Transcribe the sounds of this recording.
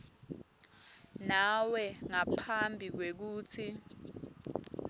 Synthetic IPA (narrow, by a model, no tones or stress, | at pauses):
nawɛŋapʰambʱik̬wek̬uːt͡sʰi